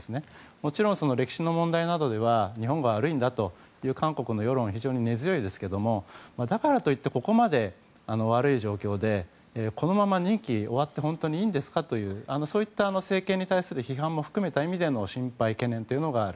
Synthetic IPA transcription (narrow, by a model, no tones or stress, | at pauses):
sɨne̞ | mo̞t͡ɕiɾõ̞ɰ̃so̞no̞ɾe̞kʲi̥ɕino̞mõ̞nd̪ainad̪o̞d̪e̞βaɲ̟iɦõ̞ŋɡoβaɾɯ̟ĩnd̪at̪o̞ | jɯ̟ːkãŋko̞kɯ̟no̞jo̞ɾõ̞ɰ̃çiʑo̞ːɲ̟ine̞zɨjo̞id̪e̞sɨ̥ke̞d̪o̞momad̪akaɾat̪o̞it̪ːe̞ko̞ko̞mad̪e̞ | ano̞β̞aɾɯ̟iʑo̞ːkʲo̞ːd̪e̞ː | ko̞no̞mamaɲ̟ĩŋkʲio̞βat̪ːe̞ɦõ̞nt̪o̞ɲ̟iiːnd̪e̞sɨ̥kat̪o̞jɯ̟ːano̞so̞ːit̪ːaːno̞se̞ːkẽ̞ɲ̟ːit̪aisɨɾɯ̟çiɦãmmo̞ɸɯ̟̥kɯ̟me̞t̪aimʲid̪e̞no̞ɕĩmpaike̞nẽ̞nt̪o̞iɯ̟noɡaːɾɯ